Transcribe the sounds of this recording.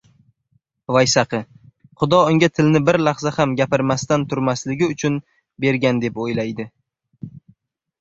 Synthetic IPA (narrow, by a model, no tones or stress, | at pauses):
vajsaqʰɨ | χʊd̪ɒʊŋɡʲat̪ʰɪlnɪbɪɾlɑχzahamɡʲapɪɾmast̪ant̪ʰʊɾmaslɪɡʲɪʊt͡ʃʰʊn | be̞ɾɡʲand̪e̞pojlajd̪ɪ